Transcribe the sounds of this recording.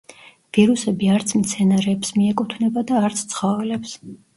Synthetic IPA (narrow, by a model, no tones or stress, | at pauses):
v̥iɾusɛbiaɾt̪sʰmt̪sʰɛnaɾɛːpsmiɛkʼut̪ʰnɛbad̪aːɾt̪sʰt̪sʰχɔvɛlɛps